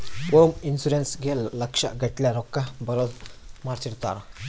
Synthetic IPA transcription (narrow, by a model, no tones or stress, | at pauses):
pominsuɾensɡʱelːəkʂa̰ʔɡʱəʈljaɾɔkːabəɾɔlmaɾt͡ʃiɾt̪a̰ɾ